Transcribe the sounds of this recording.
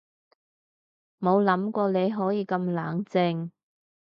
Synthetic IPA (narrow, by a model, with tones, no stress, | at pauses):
mo˨˧wlɐ˨˥mkʷɔː˧le˨˧jɦɔː˨˥jiː˧kɐ˧mlaː˨˥ŋt͡sɪ˧ŋ